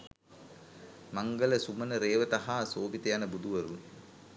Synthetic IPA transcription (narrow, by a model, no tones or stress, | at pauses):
maŋɡələsumənəɾeːʋət̪aɦaːsoːbit̪ejanəbud̪uʋɐɾu